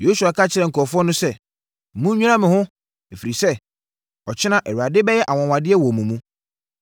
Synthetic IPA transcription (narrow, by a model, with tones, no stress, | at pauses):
jo˦su˨a˨kʰa˦t͡ɕʰɪ˦ɾɛ˨ŋ̩˨kʰɔ˨fʊ˦ɔ˦nʊ̃˦sɛ˦˨ | mũ˦ɲᶣũ˦ã˦mɪ̃˨hʊ̃˦ | e˨fi˨ɾi˨sɛ˦˨ | ɔ˨t͡ɕʰɪ˦nã˦ʔɛ˨ɾu˨a˨dɪ˦bɛ˦jɛ˦ʔa˨wɔ̃˨wã˨dɪ˦ɛ˦wɔ˨mũ˨mũ˦